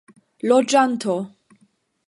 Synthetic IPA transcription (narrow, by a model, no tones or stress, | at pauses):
lod͡ʒant̪ʰo